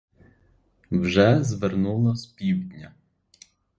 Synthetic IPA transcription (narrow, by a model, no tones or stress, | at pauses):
wʒɛzʋernulˠɔspʲiwdʲnʲɐ